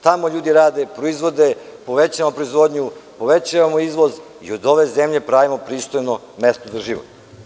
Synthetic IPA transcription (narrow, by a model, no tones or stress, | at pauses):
t̪amo̞ʎuːd̪iɾaːd̪epɾo̞izʋo̞d̪epo̞ʋet͡ɕamopɾoizʋo̞d̪ɲupo̞ʋet͡ɕaʋamoizʋo̞z | ḭod̪o̞ʋe̞zemʎe̞pɾaʋimo̞pɾiːst̪o̞jno | mest̪ozaʒiʋo̰t̪